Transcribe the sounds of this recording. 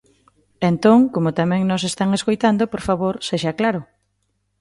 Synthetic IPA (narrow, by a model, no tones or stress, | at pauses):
ent̪oŋkomʊt̪amɛ̃ŋnos̬est̪aŋeskojt̪and̪opoɾfaβoɾseʃaklaɾʊ